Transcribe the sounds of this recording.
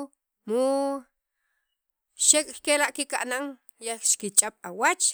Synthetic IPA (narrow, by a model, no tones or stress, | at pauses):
mu | ʃekʼkelaʔkikaʔnaŋ | jaxʃkit͡ʃʼaɓ̥awat͡ʃ